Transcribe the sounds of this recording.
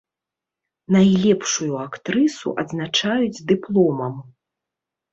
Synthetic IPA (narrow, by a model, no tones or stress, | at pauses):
najlʲɛpʂujuakt̪ɾɨsṵʔɐd̪znat͡ʂajud͡zʲd̪ɨplˠɔmɐm